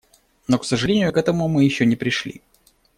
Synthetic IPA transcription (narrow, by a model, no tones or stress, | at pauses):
no̞ksəʐɨlʲenʲɪjʊkɛt̪əmʊmɨjɪɕːonʲɪpɾʲɪʂlʲḭ